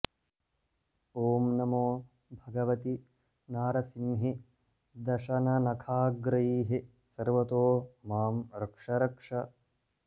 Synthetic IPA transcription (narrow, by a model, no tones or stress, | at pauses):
oːmnɐmoː | bʱɐɡɐʋɐt̪i | naːɾɐsinɦi | d̪ɐʃɐnɐnɐkʰaːɡɾɐjiːɦi | sɐɾʋɐt̪oːmaːmɾɐkʂɐɾɐkʂɐ